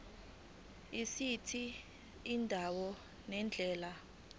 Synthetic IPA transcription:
isitʰiː | ndʱawɔ | nɛnd͡ɮʱɛːla

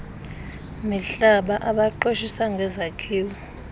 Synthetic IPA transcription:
miɬaɓaʔaɓaǃoʃisaŋɡʱɛzakʰiːwɔ

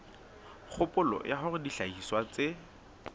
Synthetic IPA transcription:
k͡xʰʊpʊlɔ̰jaχʊrɪdiɬaiswat͡se

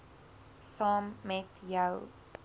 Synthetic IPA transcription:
sɑːmːɛtjəw

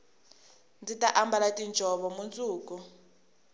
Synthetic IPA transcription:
nd͡zitaʔambalatʼind͡ʒʱɔβɔmunt͡sʼuːku

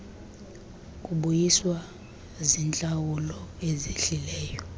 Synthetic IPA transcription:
kʼuɓujiswa | zint͡ɬʼawulɔeziɬilɛːjɔ

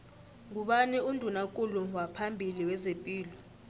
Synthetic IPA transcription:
ŋuɓaniundʱunakʼuluwapʰambʱiliwɛzepʼiːlɔ

